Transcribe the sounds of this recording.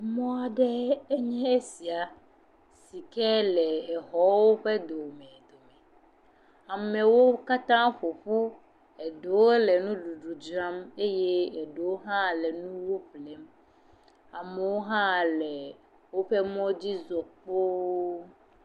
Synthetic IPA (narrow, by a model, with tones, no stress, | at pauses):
mɔ̃˦a˨ɖɛ˦ɛ˦ɲɛ̃˦e˦si˨a˨ | si˨kɛ˦lɛː˨ɦɔ˦wo˦ɸe˦d̪o˨mɛ̃˨d̪o˨mɛ˨ | a˨mẽ˨wo˦ka˦t̪ã˦ɸo˨ɸu˦ | ɛ˨ɖo˨wo˦lɛ˨nũ˦ɖu˨ɖu˨d͡ʒɾã˦me˦je˦ɛ˨ɖe˨wo˦ɦã˦˨lɛ˨nũ˦wo˦ɸlɛ˨˦m | a˨me˨wo˦ɦã˦lɛ˨ | wo˦ɸe˦mɔ̃˦d͡ʑi˦zɔ˨ɸo˦